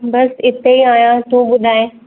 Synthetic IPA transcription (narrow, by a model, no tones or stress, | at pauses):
bɐsɪt̪eiaːjãt̪oːɓʊd̪ʱaːe